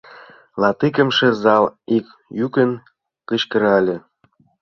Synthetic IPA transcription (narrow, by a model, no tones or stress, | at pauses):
lɑt̪ikə̆mʃĕzɑlik | jykə̆n | kə̆t͡ɕkə̆ɾɑlʲĕ